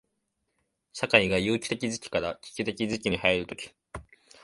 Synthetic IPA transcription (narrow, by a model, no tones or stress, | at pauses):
ɕakaiɡajɯːkʲi̥t̪e̞kʲizɨkʲi̥kaɾakʲi̥kʲɯt̪e̞kʲizɨkʲiɲ̟ihaiɾɯ̟t̪o̞kʲi̥